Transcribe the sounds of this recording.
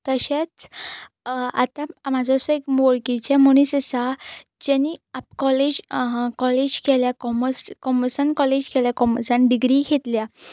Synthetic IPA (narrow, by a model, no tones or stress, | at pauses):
t̪əɕat͡s | a̰t̪amad͡zɔsɔekmoɭkit͡ɕamuñisəsad͡ʑaniapkɔled͡ʑkɔled͡ʑkeljakɔməskɔməsənkɔled͡ʑkʰeljakɔməsanɖiɡɾikʰet̪lja